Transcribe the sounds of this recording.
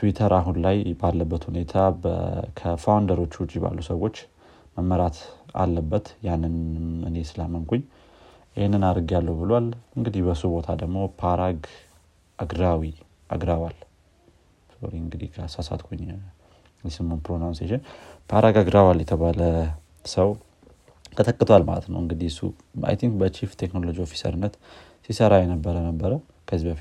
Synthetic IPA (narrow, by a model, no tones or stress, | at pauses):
t̪ʰuwit̪ʰəɾaɦunlajbalːəbːət̪hune̞t̪ʰakʰəfawnd̪əɾo̞t͡ʃːwʊt͡ʃʼiba̰lːusəwo̞t͡ʃː | məmːəɾat̪a̰lːəbːət̪janːɨnɨ̰ne̞sɨlamɨŋkʰuɲː | ihenːɨnaɾɡalːəwbɨlwalɨŋɡɨd̪ihbəsubo̞t̪ʰad̪əɡmo̞pʰaɾaɡ | ʔaɡɾawi | ʔa̰ɡɾawal | so̰ɾiɨŋɡɨd̪ḭhkʰəasasa̰t̪kʰoɲ | jɛsɨmonpɾonawnseʃɪnpʰaɾaɡaɡɾawaljɛt̪ʰəβalə | səw | t̪ʰət̪ʰəkʼːɨt̪ʰoalma̰lə̰t̪nə̰wɨŋɡɨd̪isṵ | a̰jt̪ʰiŋk̚bət͡ʃʰift̪ʰeknolod͡ʒiofi̥sə̰ɾɨnːət̪ | sisəɾajɛnəbːəɾənəbːəɾəw | kʰəzibəf